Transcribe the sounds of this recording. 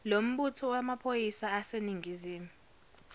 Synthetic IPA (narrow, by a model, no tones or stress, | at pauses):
lom̩ɓutʰɔwamapʰojisaːseniŋʱiziːmɛ